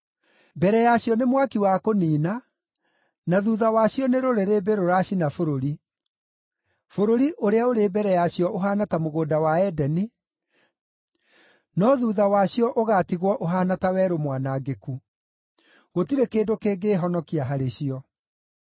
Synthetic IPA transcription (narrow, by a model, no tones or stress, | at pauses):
bɛɾɛjaɕjɔnemwakiwakoniːna | naðuːðawaɕijɔneɾoɾeɾeːbeɾoɾaɕinafoɾoɾi | foɾoɾiʔoɾeaoɾeːbɛɾɛjaɕjɔʔoɦaːnatamoɣoːdawaɛdɛni | nɔðuːðawaɕijɔʔoɣatiɣwɔʔoɦaːnatawɛːɾomwanaɡeku | ɣotiɾekeːndokeːɡeːɦɔnɔkiaɦaɾeɕiɔ